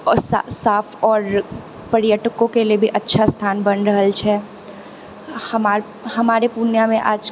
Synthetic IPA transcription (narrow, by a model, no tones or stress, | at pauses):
sa̰saːfʰɔːɾ | pəɾjəʈəkõkeliebʱiʔɐtːʃʰast̪ʰaːnbɐnɾɐɦəlt͡ʃʰɛ | hɐmaːɾ | hɐmaːɾepunjamẽʔa̰ːd͡ʒ